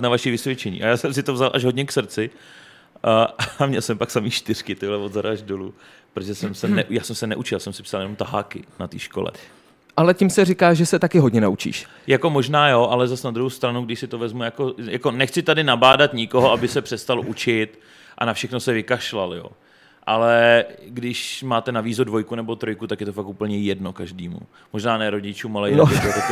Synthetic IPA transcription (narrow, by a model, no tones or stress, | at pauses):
t̪navaʃivɪsvjɛt͡ʃɛɲḭːʔajaːsɛms̬ɪt̪ovzalʔaʒɦo̞dɲɛksr̩t͡sɪ | ʔaamɲɛlsɛmpaksamiːxt͡ʃt̪ɪr̝kɪt̪ɪbɪlɛvod̪zaɾaʒdolu | pɾot̪ʒɛsɛmsɛnɛʔjaːsɛmsɛnɛ̰ʔut͡ʃɪlsɛmsɪ̥psaljɛnomt̪aɦaːkɪ̰nat̪iːʃkolɛ̰ | ʔalɛcɪmsɛrɪkaːʒɛsɛt̪akɪɦodɲɛnaut͡ʃḭːʃ | jako̞mo̞ʒnaːjoʔalɛzasnad̪ɾuɦowst̪ɾanuɡdɪʃsɪt̪o̞vɛzmujako̞jako̞nɛxt͡sɪt̪adɪnabaːdat̪ɲɪkoɦoabɪsɛpr̥ɛst̪alʔut͡ʃɪt̪ | ʔa̰nafʃɛxno̞sɛvɪkaʃlaljo̞̰ː | ʔalɛɡdɪʃmaːt̪ɛnaviːzodvo̞jkunɛbo̞t̪ɾo̞jkut̪akjɛt̪o̞fakʔupl̩ɲɛjɛdno̞kaʒdiːmṵ | mo̞ʒnaːnɛːɾo̞ɟɪt͡ʃuːmalɛjɛot̪o